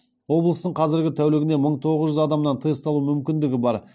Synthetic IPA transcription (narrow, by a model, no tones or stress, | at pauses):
wo̞blˠəst̪əɴqʰɑzɪɾɡʲɪt̪ʰæwleɡʲɪneməɴt̪ʰo̞ʁəzʒʏzɑd̪ɑmnɑnt̪ʰəjəst̪ɑlˠumʏmkʲɪnd̪ɪɡʲɪbɑɾ